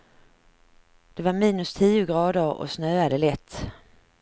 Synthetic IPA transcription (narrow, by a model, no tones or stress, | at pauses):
d̪̥ɛvaɾmiːnɵst̪ʰiːʊɡɾɑːd̪əɾɔ̰snøːad̪ɛlɛt̪ː